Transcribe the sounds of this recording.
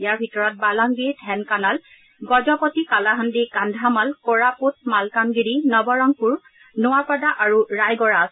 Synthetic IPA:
jaɹbʱitɔɹɔt̚balaŋɡiɹitʰɛnkanal | ɡɔd͡ʒɔpɔtikalaɦandikandʱamalkoɹaput̚malkaŋɡiɹinɔbɔɹɔŋpuɹ | nʊwapadaʔaɹuɹajɡɔɹaas

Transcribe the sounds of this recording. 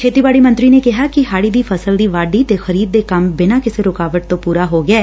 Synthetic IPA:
kʰeːt̪iːbaːɽiːmə̃nt̪ɾiːneːkɪɦaːkɪɦaːɽiːd̪iːpʰəsəld̪iːʋaːɖiːt̪eːxəɾiːd̪̚ːeːkəmbɪnaːkɪseːɾʊkaːʋəʈ̚t̪õːpuːɾaːɦoːɡɪɛː

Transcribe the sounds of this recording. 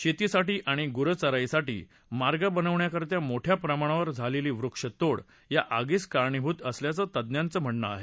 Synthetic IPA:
ɕet̪isaʈiːʔaɽ̃iɡuɾət͡səɾaisaʈḭː | maɾɡabənəʋɳjakəɾt̪jamoʈʰjapɾəmaɽ̃aʋəɾd͡zʱaleliːʋɾukʂət̪oɽ | jaʔaɡiːskaɾɳibʱut̪əsljat͡sət̪əd̪njant͡səːm̤əʈnəa̰ɦe

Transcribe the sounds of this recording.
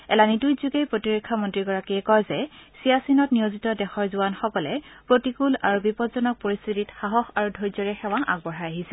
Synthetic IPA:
ɛ̰lanitujzuɡejpɹotiɹekʰːamɔntɹiɡɔɹakiɛkɔjzɛsijasinɔt̚nijozitɔdɛxɔɹzuwanxɔkɔlɛpɹotikulaɹubipɔtzɔnɔk̚poɹist̪ʰititxaɦɔxaɹudʱɔɹzɔɹɛxɛwaʔa̰ɡ̚bɔɹaaɦisɛ

